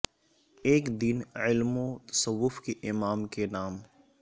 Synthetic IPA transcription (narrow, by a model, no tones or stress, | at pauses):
eːkd̪ɪnɪlmõt̪ɐ̥səʋːʊfkeʔɪmaːmkenaːm